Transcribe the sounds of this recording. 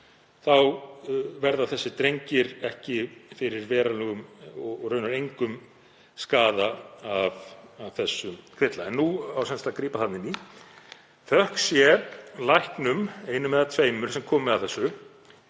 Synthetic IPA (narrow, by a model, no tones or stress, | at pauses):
θawvɛɾðaθɛsːɪt̪ɾejɲcɪɾɛhcɪfɪɾɪɾvɛːɾalɛɣʏmɔrœːɥnaɾejŋkʏm | skaːðaavavθɛsːʏmkʰv̥ɪt̪laɛnːuawsɛnst̪akɾiːpaθat̪nɪni | θœhksjɛlajhknʏmejnʏmɛːðat̪ʰveːjmʏɾ̥sɛmkʰɔːmɛðawθɛsːʏ